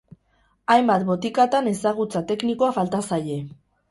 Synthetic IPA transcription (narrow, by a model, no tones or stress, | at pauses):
ajmbat̪bo̞t̪ikat̪ane̞saɣ̞ut͡sat̪e̞knikoafalt̪asaje̞